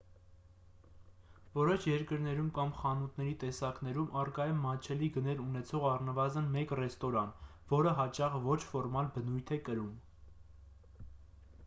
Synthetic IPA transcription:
vɔɾɔʃʰjɛɾkəɾnɛɾumkɑmχɑnut̪ʰnɛɾit̪ɛsɑknɛɾumʔɑrkɑjɛmːɑt͡ʃʰɛliɡənɛɾunɛt͡sʰɔʁɑrnəvɑzənmɛkrɛst̪ɔɾɑnvɔɾəɦɑt͡ʃɑʁvɔt͡ʃʰfɔɾmɑlbənujt̪ʰɛkəɾum

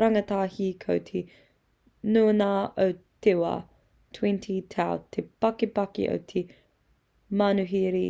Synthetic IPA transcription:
ɾɐŋɐt̪aːhiːkʰowt̪ʰe | nuːnaːʔowt̪ewɐ̰ | tʰwintʰitʰawt̪ʰepɐkepɐkḭʔo̰wtʰe | manuɦiɾi

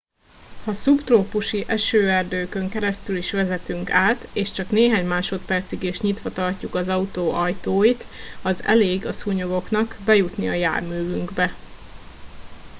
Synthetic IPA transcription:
hɒsupt̪roːpuʃiʔɛʃøːɛrd̪øːkø̞ŋkɛɾɛst̪yliʃʋɛzɛt̪yŋkaːt̪eːʃt͡ʃɒkneːɦaːɲmaːʃo̞t̪pɛrt̪siɡiʃɲit̪ʋɒt̪ɒrcukɒzɒut̪oːʔɒjt̪oːjit̪ɒzɛ̰leːɡɒsuɲoɡo̞kn̪ɒkbɛjut̪niɒja̰ːrmyːvyŋɡbɛ

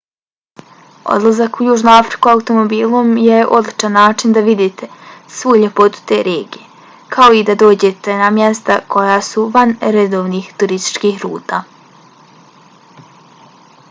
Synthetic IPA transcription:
o̰d̪lˠazakujuːʒnoafɾikuaut̪o̞mobiːlˠomjeʔo̞d̪lit͡ʃanːaːt͡ʃind̪aʋid̪iːt̪ʰe̞sʋuːjʎepo̞t̪u̥t̪e̞ːɾeːɡije̞ | kʰao̞id̪ad̪o̞ːd͡ʑe̞t̪e̞namje̞st̪akʰo̞jasuʋanɾe̞d̪o̞ːʋniːxt̪uɾist̪i̥t͡ʃkiːxɾṵːt̪aː

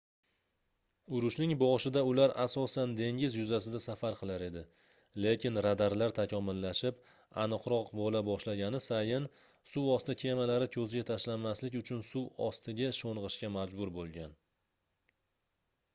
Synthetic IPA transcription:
ʊɾʊʃnɪŋbɒʃɪd̪aʊlaɾasɒsand̪e̞ŋʲɪzjʊzasɪd̪asafaɾqʰɨlˠaɾe̞d̪ɪ | le̞kʲɪnɾad̪aɾlaɾt̪ʰakʲʰɒmʊlːaʃɪp | a̰nɨqɾɒqbɒlabɒʃlaɡʲanɪsajɪn | suwɒst̪ɪkʲʰe̞malaɾɪkʲʰɵzɡʲat̪ʰaʃlanmaslɪkʲʊt͡ʃʰʊnsuwɒ̰st̪ʰɪɡʲaʃonʁɨʃkʲamad͡ʒbʊɾbolˠɡʲan

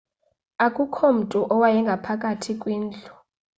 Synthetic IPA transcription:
akʼukʰom̩tʼuʔɔwajɛŋɡʱapʰakʼatʰikʼwiːnd͡ɮu

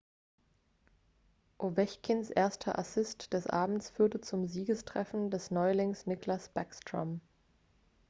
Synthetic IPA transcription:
ʔovɛçkʰɪnsʔeːɐstʰɐ̰ʔasɪstd̥ɛsʔa̰ːbm̩t͡sfyːɐtət͡sʊmziːɡəstʁ̥ɛfn̩dɛsnɔʏlɪŋsnɪklasb̥akstʁ̥ɔ̰m

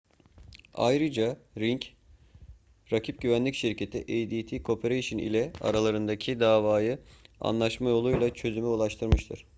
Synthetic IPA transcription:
a̰jɾɯd͡ʒaɾiɲc | ɾacʰip̚ɟyvænlʲicʃiɾcʰe̞t̪ʰḭʔejd̪it̪ʰiːkʰopʰeɾeʃinḭlʲɛa̰ɾalˠaɾɯnd̪acʰid̪aːvaːjɯa̰nlˠaʃmajo̞lˠujlˠat͡ʃʰø̞zymyulˠaʃt̪ʰɯɾmɯʃt̪ʰɯɾ̥

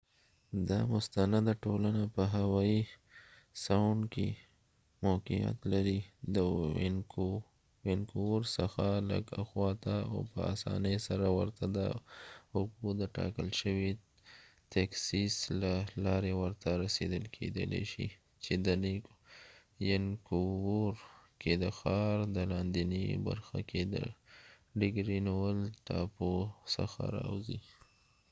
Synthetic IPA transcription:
d̪ɑmʊst̪anad̪aʈolanapəɦawɑi | saɳɖke | moqija̰t̪laɾid̪ə | wɪnkoɾsəxalə̰ɡa̰xwɑt̪ao̰pə̰a̰sɑ̰nejsaɾawə̰ɾt̪ad̪ə̰hʊɡud̪əʈɑ̰kəlʃəwi | t̪aksislalɑɾewəɾt̪aɾased̪əlkʰḛd̪ə̰lḛʃḭ | t͡ʃed̪ənik | jankowoɾkʰed̪əxɑɾd̪əlɑnd̪iniba̰ɾxa̰kʰed̪ə̰ | ɖɪɡɾiniwəlʈɑposə̰xa̰ɾɑ̰wzi

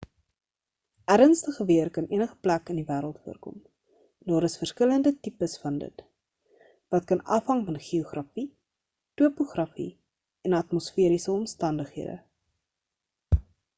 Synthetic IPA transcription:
ʔæɾənstəχəviərkɐnʔiənəχə̥plækəndivæːɾəlˠtfuərkɔ̰m | dɑːɾəsfərskələndətipəsfɐndə̰t | vɐtkɐnɐ̰fɦɐŋfɐnχioχrɐfi | tuəpuχrɐfḭ | ɛnɐtmosfiəɾisəɔmstɐndəχɦiədə̰

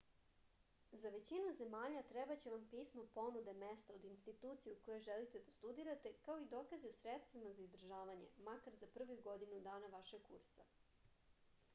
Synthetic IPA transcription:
zaʋe̞t͡ɕinuze̞maːʎat̪ɾebat͡ɕe̞ʋampiːsmopo̞nud̪e̞mest̪ao̞d̪inst̪it̪uːt̪sijukojoʒelit̪e̞d̪ast̪ud̪iɾat̪e̞kao̞id̪o̞ːkaziosɾet̪st̪ʋimazaizd̪r̩ʒaːʋaɲe̞̰makaɾzapr̩ʋojuɡo̞d̪inud̪aːnaʋaʃeɡkṵɾsa̰

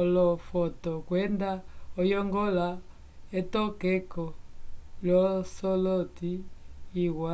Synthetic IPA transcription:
lɔfɔtɔkwɛndaɔjɔŋɡɔla | ɛtɔkɛkɔlɔsɔlɔtiː | wa

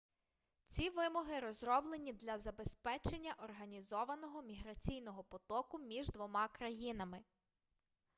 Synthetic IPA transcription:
t͡sʲiʋɪmɔɦɪɾɔzɾɔblˠenʲid̪lʲɐzɐbespɛt͡ʃenʲːɐʔɔrɦɐnʲizɔʋɐnɔɦɔmʲiɦɾɐt͡sʲijn̪ɔɦɔpɔt̪ɔkʊmʲiʒd̪ʋɔmɑkɾɐjinɐmɪ

